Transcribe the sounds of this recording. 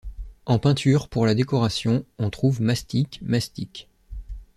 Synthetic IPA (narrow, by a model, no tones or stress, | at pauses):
ɑ̃pɛ̃t̪ʰyʁpuʁlad̪ekɔʁasjɔ̃ɔ̃t̪χuvmast̪ikmast̪ik